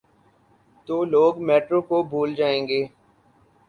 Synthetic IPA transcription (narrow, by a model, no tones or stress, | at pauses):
t̪oːloːɡmeːʈɾõːkobʱuːld͡ʒaːẽːŋɡeː